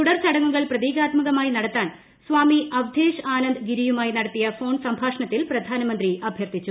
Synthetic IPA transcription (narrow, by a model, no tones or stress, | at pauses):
t̪uɽɐrt͡ɕɐɽɐŋːuɣɐɭprɐðiːɡaːt̪mɐɣɐmaːinɐɽɐt̪ːaːn | sʋaːmiɐʋd̪ʱeːʂaːnɐnd̪ɨɡiɾijumaːjinɐɽɐt̪ːijɐfo̞ːɳsɐmbʱaːʂɐɳɐt̪ːilprɐd̪ʱaːnɐmɐnd̪riɐbʱjɐrt̪it͡ɕːu